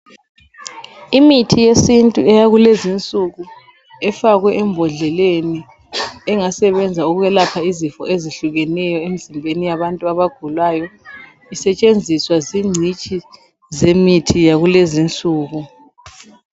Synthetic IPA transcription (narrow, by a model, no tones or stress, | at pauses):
imitʰijesintʼuɛjaɣulezint͡sʼuɣu | ɛfaɣwɛʔɛmbʱɔɮɛleni | ɛŋasɛβɛnd͡zʱauɣuɣɛlapʰaizifɔ̰ʔeziɬuɣɛnɛjɔemizimbʱenijaβantʼuaβaɡ̥ʱulwajɔ | isɛt͡ʃʼend͡zʱiswaziŋ͡ǀʱit͡ʃʼi | zemitʰijaɣulezint͡sʼuːɣu